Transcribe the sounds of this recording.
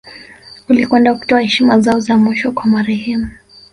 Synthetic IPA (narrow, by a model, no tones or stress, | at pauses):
ulikwɛndauku̥tɔahɛʃimazaɔzamiʃɔkwamaɾɛhɛmu